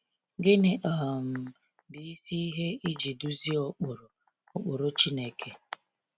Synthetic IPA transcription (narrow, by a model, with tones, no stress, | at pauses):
ɡɪ˦nɪ˨ʔa˨m̩˨ | bi˨i˦si˦ɦe˦i˦d͡ʒi˨du˦zi˦ɔ˦k͡pʊ˨ɾo˨ | ʊ˦k͡pʊ˨ɾo˦t͡ʃi˦ne˦kʰe˦